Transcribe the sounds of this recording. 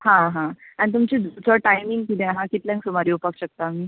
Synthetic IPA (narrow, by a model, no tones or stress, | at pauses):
ɦãɦãanit̪umt͡ɕid̪ut͡sɔʈajmiŋɡkinẽaɦãkit̪ljãŋksumaɾiːupakɕək̚t̪aːm̤iː